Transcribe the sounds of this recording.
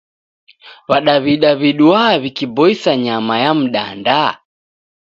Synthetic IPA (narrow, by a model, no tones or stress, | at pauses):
βaɗaβiɗaβiɗuaβikibɔisaɲamajam̩ɗa̰nda